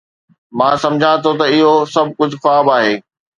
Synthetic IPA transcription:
mãːsɐ̃md͡ʑʱãt̪ʰot̪̬ɐɪɦosɐb̚ʱkʊd͡ʑʱʊxaːbaːɦeː

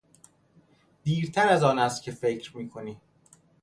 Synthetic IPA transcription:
d̪̥iːɾt̪ʰæɾæzɒːnæst̪̚cʰe̞fe̞cʰɾmiːkʰo̞niː

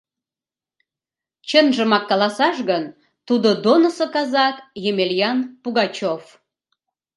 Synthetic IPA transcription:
t͡ɕənʒəmɑkːɑlɑsɑʃɣən | t̪ud̪od̪onəsokɑzɑt̪jemeljɑnpuɣɑt͡ɕof

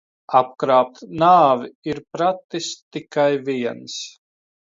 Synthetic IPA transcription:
ap̚kɾaːp̚t̪naːviiɾpɾat̪ːist̪ikajviɛns

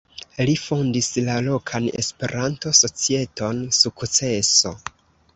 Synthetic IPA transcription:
lifo̞ndislalo̞kʰane̞̰spe̞ɾʔanto̞so̞t͡sie̞to̞nsukt͡se̞so

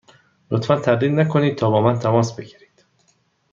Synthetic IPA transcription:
lot̪fænt̪ʰæɾliːd̪nækʰo̞niːd̪̚t̪ʰɒːbɒːmænt̪ʰæmɒːsbe̞ɟiːɾiːd̪̥

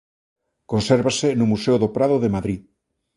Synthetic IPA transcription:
konseɾβasenumuseoðopɾaðoðemaðɾi

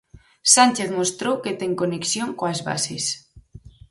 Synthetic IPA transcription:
sanʲt͡ʃeθmost̪ɾowket̪eŋkoneksjoŋkoazβa̰ses

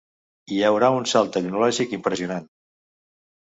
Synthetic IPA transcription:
iəwɾaunsalˠt̪əknulɔʒikimpɾəziunan

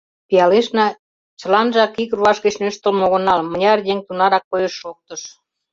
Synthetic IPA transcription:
pijɑleʃnɑ | t͡ɕə̆lɑnʒɑkikruɑʃɣet͡ɕnøʃt̪ə̆lmoɣə̆nɑlmə̆nʲɑrdʲeŋt̪unɑɾɑkːojeʃːok̚t̪ə̆ʃ

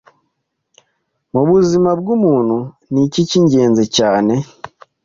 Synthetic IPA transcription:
muβuzimabɡumuːn̤̥u | niciciɲɟe̞ːnzecaːne̞

